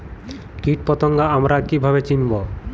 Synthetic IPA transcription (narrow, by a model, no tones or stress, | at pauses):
kiʈ̚pɔt̪oŋɡaamɾakibʱaβet͡ɕinbo